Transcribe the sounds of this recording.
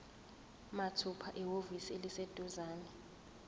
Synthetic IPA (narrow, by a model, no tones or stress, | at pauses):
matʰupʰaʔɛɦovisielised̥ʱuzaːnɛ